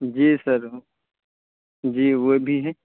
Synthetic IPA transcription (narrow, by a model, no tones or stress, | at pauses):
d͡ʒiːsɐɾ | d͡ʒiːʋobʱiɦɛː